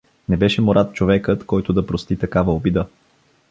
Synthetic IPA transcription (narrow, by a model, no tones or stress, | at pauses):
nɛbɛʃɛmoɾat̪̚t͡ʃovɛkət̪kɔjt̪od̪ɐpɾost̪it̪ɐkavɐobid̪ə